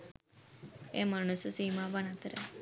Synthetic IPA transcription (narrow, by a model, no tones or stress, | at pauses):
emaːɳ̃ussiːmãbənat̪ɾe